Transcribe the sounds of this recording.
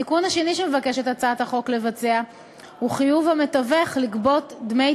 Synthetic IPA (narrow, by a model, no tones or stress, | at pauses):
ikunhaʃe̞niʃeme̞vake̞ʃetat͡saat̪haχo̞kle̞vat͡sea | huχijuvhame̞taveχlikbo̞tdme